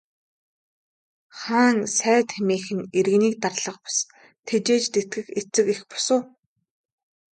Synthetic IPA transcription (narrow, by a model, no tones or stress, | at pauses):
χaːŋsæːt̪ʰemiːxɘ̆neɾ̆ɣniːk̚t̪arɮə̆qpḁs | t̪ʰet͡ɕeːt͡ɕt̪et̪̚ɡɘ̆xet͡sɘ̆kexpʊ̥sʊː